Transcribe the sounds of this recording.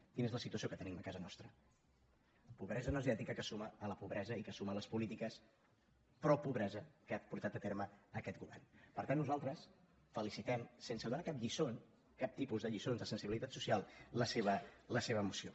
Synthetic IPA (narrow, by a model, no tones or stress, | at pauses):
kinezləsit̪uəsiokət̪əniməkazənɔst̪ɾə | puβɾɛzənəziɛt̪ikəkəsuməələpuβɾɛzəikəsumələspulit̪ikəs | pɾɔpuβɾɛzəkapuɾt̪at̪ət̪eɾməːkɛt̪̚ɡuβɛ̰rnpəɾt̪anːuzalˠt̪ɾəs | fəlisit̪ɛmsensəðunakapʎison | kap̚t̪ipuzðəʎisonzðəsənsiβilit̪at̪susialˠləseβələseβ̞əːmusio